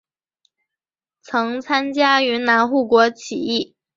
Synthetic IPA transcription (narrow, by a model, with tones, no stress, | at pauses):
t͡sʰɤ˧˥ŋt͡sʰa˥nt͡ɕja˥y˧˥na˧˥nxu˥˩kwɔ˧˥t͡ɕʰi˨˩i˥˩